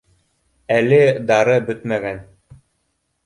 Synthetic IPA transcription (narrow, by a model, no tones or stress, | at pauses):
ælɘd̪ɑɾɤbɵt̪mæɡæn